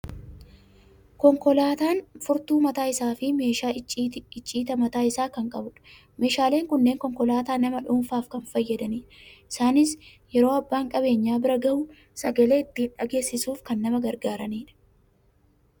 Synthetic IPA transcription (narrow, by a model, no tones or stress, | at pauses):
kɔŋkɔlaːt̪aːnfʊɾt̪uːmɐt̪aːɪsaːfɪme̞ːʃaːɪt͡ʃʼːiːt̪ɐmɐt̪aːɪsaːkɐŋkʼɐbʊᶑ̥ | me̞ːʃaːle̞ːŋkʊnːeːŋkɔŋkɔlaːt̪aːnɐmɐᶑʊmfaːfkɐnfɐjːɐd̪ɐniːᶑɐʔɪsaːnɪs | jɛɾo̞ːɐbːaːŋkʼɐbe̞ːɲːaːbɪɾɐɡɐʔʊ | sɐɡɐle̞ːɪt̪ːiːnᶑɐɡe̞ːsɪsuːfkɐnːɐmɐɡɐɾɡaːɾɐniːᶑɐ̥